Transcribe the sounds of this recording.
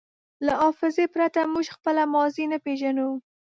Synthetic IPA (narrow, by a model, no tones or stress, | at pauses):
laɑfɪzepɾat̪amuʒxpəlamɑzinapeʒanuw